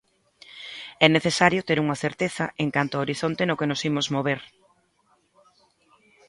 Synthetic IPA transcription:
ɛneθesaɾjʊt̪eɾuŋɐθeɾt̪eθɐʔeŋkant̪ʊaoɾiθont̪enʊkenʊsimʊzmoβ̞eɾ

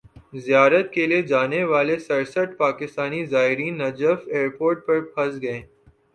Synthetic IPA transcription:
zijaːɾət̪̚kelied͡ʒaːneʋaːlesɐɾsəʈpaːkɪst̪aːnizaːɦɪɾiːnːɐd͡ʒəfeːɾpoːɾʈ̚pɐɾ̚pʰɐsɡɐẽː

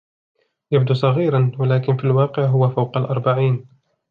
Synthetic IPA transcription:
jab̚d̪uːsˤɑɣiːɾɑnwalaːkɪnfiːlwɑːqɪʕɦʊwafawqɑlʔɑɾˤbaʕiːn

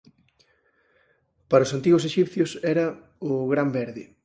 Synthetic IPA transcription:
paɾɐoʊsant̪iɣʊseʃipθjʊsɛɾɐ | ʊɣɾambɛɾðɪ

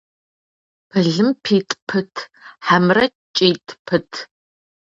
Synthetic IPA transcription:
pʰɨɮɨmpʰiːtʼpʰɨtʰħamrɐ | t͡ʃʼeːtʼpʰɨtʰ

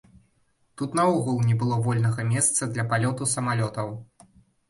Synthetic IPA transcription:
t̪ut̪nɐɔɣulˠnʲɛbɨlˠɔvɔlʲnɐɣɐmʲɛst̪sɐd̪lʲɐpalʲɔt̪usɐmalʲɔt̪ɐw

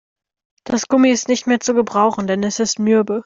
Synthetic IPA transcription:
d̥asɡ̥ʊmiɪstnɪçtmeːɐt͡suɡəbʁaʊxn̩dɛnɛsɪstmʏɐbə

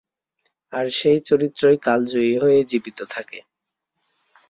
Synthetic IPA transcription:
aɾʃejt͡ɕoɾit̪ːɾoekald͡ʑoiɦojed͡ʑibit̪ot̪ʰake

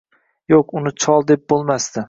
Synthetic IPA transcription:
joqʊnɪt͡ʃʰɒlˠd̪ep̚bolˠmast̪ɪ

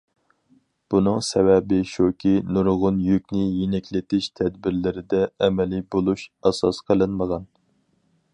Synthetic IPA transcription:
b̥unɨŋsɛwɛbɪʃokʲʰinuɾʁʊnjykʲnɪjenɛkʲʰlɪt̪ɪʃt̪ʰɛd̪bɪɾlɪɾɪd̪ɛːmɛlibolˠuʃɛsɑsqʰəlˠɨnməʁɑn

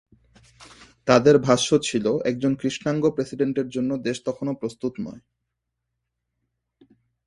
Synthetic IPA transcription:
t̪ad̪eɾbʱaʃot͡ɕʰiloʔɛk̚d͡ʑonkɾiʃnaŋɡopɾesiɖeɳʈeɾd͡ʑonːod̪eʃt̪ɔkʰonopɾost̪ut̪nɔ̰e

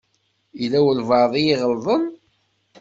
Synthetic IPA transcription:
ilæwəlvɑɾðˤijɪʁəlðˤən

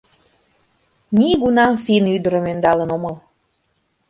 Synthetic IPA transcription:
nʲiɡunɑmfinyd̪əɾəmend̪ɑlənoməl

